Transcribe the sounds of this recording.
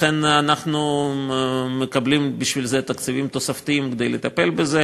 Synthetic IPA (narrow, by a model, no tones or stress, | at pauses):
enanaχnu | mekɐblimbiʃvilzet̪ɐkt͡sivimt̪osaft̪iimkd̪ejlet̪apelbeze